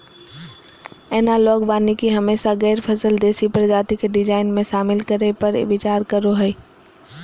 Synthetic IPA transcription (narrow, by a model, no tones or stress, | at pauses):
ɛːnalɔːɡbaːnikiɦɐmeːʃaɣɛːɾpʰɐsəld̪eːsipəɾd͡ʒaːt̪ikeɖɪzaːɪnmẽʃaːmɪlkɐɾepɐɾ̰ʋɪt͡ʃaːɾkɐɾoɦɛeː